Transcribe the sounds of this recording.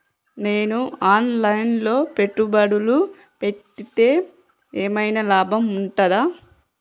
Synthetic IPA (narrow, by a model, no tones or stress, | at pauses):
ne̞ːnuaːnlɐjnlo̞ːpe̞ʈːubɐɽulu | pe̞ʈːit̪e̞ː | eːmɐjnɐlaːbʱɐmuɳʈɐd̪aː